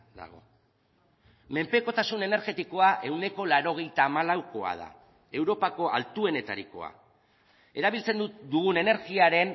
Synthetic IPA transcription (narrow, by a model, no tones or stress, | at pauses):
d̪a̰ɣo̞̰ | me̞mpeko̞t̪asune̞ne̞ɾɣe̞t̪iko̞aʔe̞wne̞ko̞laɾo̞ɣ̞e̞jt̪aːmalawko̞a̰ð̞a̰ | e̞wɾo̞pako̞ʔa̰lt̪ue̞ne̞t̪a̰ɾiko̞̰a̰ | e̞ɾaβ̞ilt͡se̞nd̪ud̪uɣune̞ne̞ɾɣiaɾe̞n